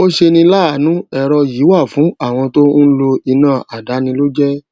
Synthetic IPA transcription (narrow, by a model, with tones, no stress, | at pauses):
o˦ʃe˧nĩ˧la˦˨nũ˨˦ɛ˧ɾɔ˧ji˨˦wa˦˨fũ˨˦a˦˨w̃ɔ̃˧to˦n̩˦lo˧i˧nãː˦˨a˨da˨˦nĩ˧lo˦d͡ʒɛ˦